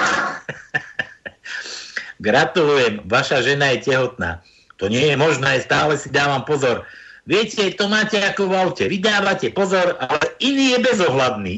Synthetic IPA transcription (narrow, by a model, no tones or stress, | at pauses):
ɡɾat̪ulujɛmʋaʃaʒɛnajɛcɛɦɔt̪̚na̰ː | t̪ɔɲɪɛjɛmɔʒnɛːɛst̪aːlɛsid̪aːʋampɔzɔɾʋɪɛcɛat̪ɔmaːcɛakɔʋaʊcɛʋid̪aːʋacɛpɔzɔɾalɛʔiniːjɛbɛzɔɦlad̪niː